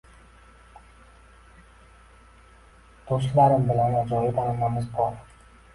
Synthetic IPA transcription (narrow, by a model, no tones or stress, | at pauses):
d̪̥oslaɾɪmbɪlanad͡ʒɒjɪd̪ʰalɪnamɪzbɒɾ